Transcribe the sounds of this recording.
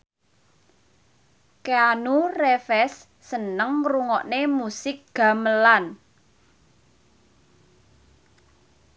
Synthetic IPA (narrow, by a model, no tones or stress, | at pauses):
keanurefɛsː | ənəŋɾuŋɔʔnemusɪk̚ɡ̥a̤məlan